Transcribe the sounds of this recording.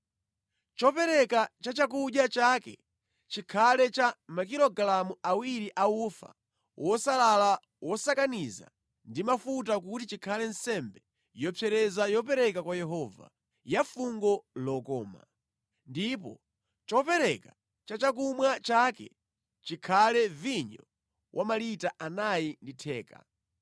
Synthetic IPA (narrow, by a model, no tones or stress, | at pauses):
t͡ʃɔpɛɾɛkat͡ʃat͡ʃak̬uʄjat͡ʃakɛ̰ | t͡ʃikʰalɛt͡ʃamakiɾɔɡlamuawiɾiʔaufa̰ | wʔɔsalala | wʔɔsakaniza̰ | ndimafut̬ak̬utit͡ʃikʰalɛnsɛmbɛ | jɔpʰjɛɾɛzajɔp̬ɛɾɛkakwajɛɦɔva̰ | jafuŋɡɔlɔkɔːma̰ | ndipɔ | t͡ʃɔpɛɾɛka | t͡ʃat͡ʃakumwat͡ʃakɛ̰ | t͡ʃikʰalɛviɲɔ | wʔamalitaʔanajinditʰɛːka̰